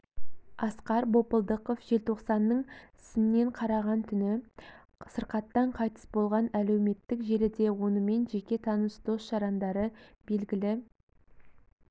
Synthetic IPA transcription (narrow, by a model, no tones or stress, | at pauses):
ɑsqɑɾbo̞pəlˠd̪əqofʒ̥e̞lt̪ʰo̞qsɑnːəɴɪsɪmne̞ɴqʰɑɾɑʁɑnt̪ʰʏnɪ | səɾqɑt̪ːɑɴqʰɑjt̪ə̥sbo̞lˠʁɑnæle̞wme̞t̪ːɪkʒe̞ɾɪd̪e̞wo̞nəme̞nʒe̞kʲe̞t̪ʰɑnəsd̪o̞sʃɑɾɑnd̪ɑɾəbe̞lɡʲɪlɪ